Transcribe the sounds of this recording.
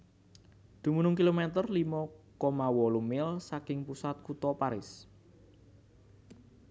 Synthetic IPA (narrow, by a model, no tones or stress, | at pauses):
d̪̥ṳmunʊŋkilomɛt̪ərlimɔkɔmawɔlumɪlsakɪŋpusat̪̚kut̪ɔpaɾɪs